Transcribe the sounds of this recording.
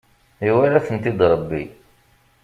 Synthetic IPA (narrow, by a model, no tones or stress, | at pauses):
iwæɾæθənt̪id̪ɾˤəbːḭ